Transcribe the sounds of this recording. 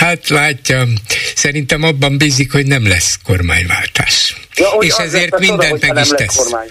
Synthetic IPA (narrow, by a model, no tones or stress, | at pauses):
hat̪laːcːɒsɛɾint̪ɛmɒbːɒmbiːzikhoɟnɛmlɛ̰sko̞rma̰ːɲva̰ːlt̪a̰ːʃeːʃɛzeːrt̪mind̪ɛnt̪mɛɡiʃt̪ɛs